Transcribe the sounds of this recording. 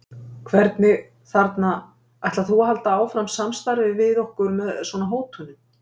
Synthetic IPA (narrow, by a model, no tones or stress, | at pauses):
kʰvɛɾt̪nɪ | θaɾt̪na | ajht̪aθuaɦalt̪aaːwfɾamsamst̪aɾvɪvɪðohkʏɾmɛðsvɔnaɦoːwt̪ʰʏnʏm